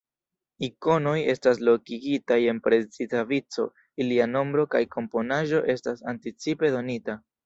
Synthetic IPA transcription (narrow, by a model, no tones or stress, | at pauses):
iko̞no̞je̞stas̬lo̞kiɡitaje̞npɾe̞t͡sitavit͡so̞̰ | iliano̞mbɾo̞kajkʰo̞mpo̞naʒo̞ʔe̞stasantit͡sipe̞do̞nita